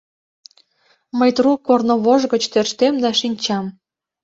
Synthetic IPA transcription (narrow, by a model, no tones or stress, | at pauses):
məjt̪rukornŏβoʒɣə̆t͡ɕt̪ørʃt̪emd̪ɑʃinʲt͡ɕɑm